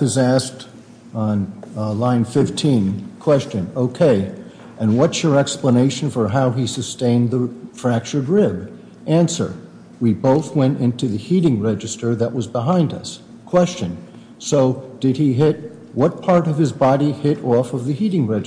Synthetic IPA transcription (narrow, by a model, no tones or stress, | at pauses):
ɨzæs̚t | n̩lãɪ̃nfɪftʰĩnkʰw̥ɛst͡ʃɨ̃noʊkʰeɪ | ʔɨ̃nwʌtsjə˞ɛkspləneɪʃn̩fə˞ɦaʊisɨstẽɪ̃nðəfɹæk̚t͡ʃə˞d̚ɹɪb | ʔæ̃nsə̰˞ | wiboʊθwɛ̃ntɪ̃ntʉðɨhiɾɪ̃ŋɹɛd͡ʒɨstə˞ðɨʔwʌzbəɦãɪ̃ndʌ̰s | kʰw̥ɛst͡ʃɨ̃n | soʊd̥ɨd̚iɦɪt̚ | wʌt̚pʰɑɹɾʌv̥ɨzbɑɾihɪɾɔfʌvðɨhiɾɪ̃ŋɹɛd͡ʒ